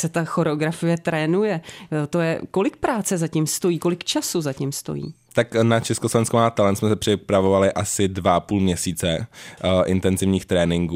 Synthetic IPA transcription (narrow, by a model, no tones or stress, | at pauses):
sɛt̪axo̞ɾɛoɡɾafɪjɛt̪ɾɛːnujɛt̪o̞jɛko̞lɪk̚pɾaːt͡sɛzacimst̪o̞jiːko̞lɪkt͡ʃasuzacimst̪o̞̰jḭːt̪aknat͡ʃɛskoslovɛnskomat̪alɛnt̪smɛsɛpr̝̥ɪpɾavovalɪʔasɪdvaʔapuːlmɲɛsiːt͡sɛ | ʔɪ̰nt̪ɛnzɪvɲiːxt̪ɾɛːnɪŋɡuː